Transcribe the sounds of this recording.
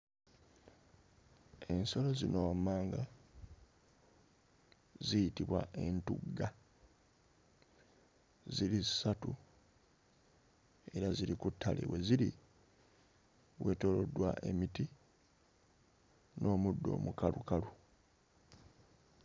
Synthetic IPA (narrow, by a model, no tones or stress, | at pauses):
e̞nso̞lo̞zinoamːaːŋɡa | zijitiβwa̰e̞ntuɡːa | ziɾisatu | e̞ɾaziɾikutʰːa̰lʔe̞̰we̞ziɾi | we̞to̞lo̞dːwa̰ʔe̞miti | nʔo̞ːmudːo̞̰ːmukalukalu